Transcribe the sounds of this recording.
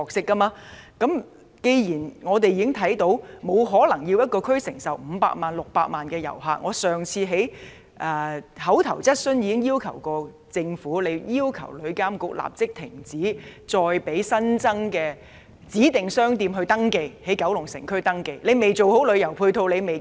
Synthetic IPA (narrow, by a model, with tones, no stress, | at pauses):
ɔː˧k̚sɪ˥kːɐ˥maː˧kɐ˨˥m | ke˧jjiː˨˩nŋɔː˨˧t̪̬e˨jiː˨˥ɪ˥ŋt̪ʰɐ˨˥jt̪o˨˥wmo˨˧wɦɔː˨˥lɐ˨˩ŋji˧wjɐ˥t̚kɔː˧kʰɵ˥ɥsɪ˨˩ŋsɐ˨wm̩˨˧pa̰ː˧k̚maː˨˩nlʊ˨k̚paː˧k̚maː˨nkɛː˧jɐ̰˨˩wɦaː˨˧k̚ŋɔː˨˧sœː˨˩ŋt͡sʰiː˧ɦe˨˥j | ʔɛː˨˧hɐ˨˥wt̪ʰɐ˨˩wt͡sɐ˥t̚sɵ˥njiː˨˧kɪ˥ŋjiː˥wkʰɐ˨˩wkɔː˧ | t͡sɪ˧ŋfuː˨˥le˨˧jjiː˥wkʰɐ̰˨˩wlɵ˨˧˥ɥkaː˥mkʊ˧k̚la̰ː˨p̚t͡sɪ˥k̚t̪ʰɪ˨˩ŋt͡siː˨˥t͡sɔː˧jpe˨˥jsɐ˥nt͡sɐ˥ŋkɛː˧ | t͡siː˨˥t̪ɪ˨ŋsœː˥ŋt̪iː˧mɦɵ˧ɥt̪ɐ˥ŋke˧jhe˨˥jkɐ˨˥wlʊ˨˩ŋsɪ̰˨˩ŋkʰɵ˥ɥt̪ɐ˥ŋke˧jle˨˧jme˨jt͡so˨who˨˥wlɵ˨˧ɥjɐ˨˩wpʰuː˧t̪ʰo˧wle˨˧jme˨